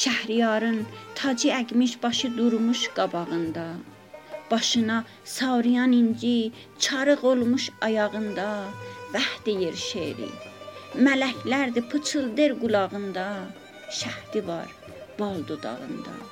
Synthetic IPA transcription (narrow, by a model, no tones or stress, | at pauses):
ʃæhɾijɑɾɯnt̪ʰɑd͡ʒiæɡʲmiʃbɑʃɯd̪uɾmuʃɡ̥ɑbɑʁɯnd̪ɑ | b̥ɑʃɯnɑ | sɑwɾijɑnind͡ʒi | t͡ʃʰɑɾɯɣolˠmuʃɑjɑʁɯnd̪ɑvæhd̪̥ijeɾʃeɾḭmælækʰlæɾd̪ipʰɯt͡ʃʰɯlˠd̪eɾɡulˠɑʁɯnd̪ɑ | ʃæht̪ivɑɾ | b̥ɑlˠd̪od̪ɑ̰ʁɯ̰nd̪ɑ̰